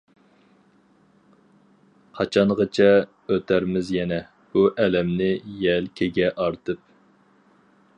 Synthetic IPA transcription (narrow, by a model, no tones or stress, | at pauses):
qʰɑt͡ʃʰɑɴʁət͡ʃʰɛ | øt̪ʰæɾmɪzjɛnɛ | b̥uʔɛlɛmnɪjɛlkʲʰeɡʲɛʔɑɾt̪ʰɨp̚